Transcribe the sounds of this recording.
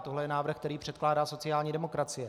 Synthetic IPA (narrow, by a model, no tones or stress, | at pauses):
t̪oɦlɛjɛnaːvr̩xkt̪ɛɾiːpr̥ɛt̪klaːdaːso̞t͡sɪjaːlɲiːdɛmo̞kɾat͡sɪjɛ